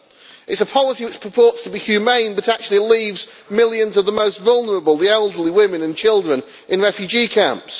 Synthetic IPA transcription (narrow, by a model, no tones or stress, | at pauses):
ɪtsəpʰɑlˠɪsiwɪt͡ʃpʰɹ̥əpʰɔˑɹtstʰəbihjʉmẽɪ̃nbʌtak̚t͡ʃʉl̩ˠiliːvz | mɪlˠjə̃nzʌvðəmoʊstvʌlˠnə˞əbəlˠðiɛlˠdə˞liwɪ̃mɪ̃nə̃nt͡ʃʰɪlˠdɹə̃n | ʔɪ̃nɹɛfjʉd͡ʒikʰãmps